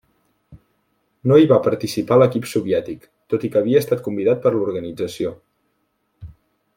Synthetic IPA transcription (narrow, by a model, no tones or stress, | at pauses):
noiβapəɾt̪isipaləkipsuβjɛt̪ik | t̪ot̪ikəːβiəːst̪at̪̚kumbiðat̪̚pəɾluɾɣənid͡zəsio